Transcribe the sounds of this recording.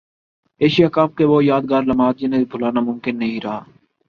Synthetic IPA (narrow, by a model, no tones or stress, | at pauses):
eːʃijaːkaːp̚keːʋoːjaːd̪ɡaːɾləmaːd̪d͡ʒɪneibʱʊlaːnaːmʊmkɪnːəɦĩːɾɐɦa̰ː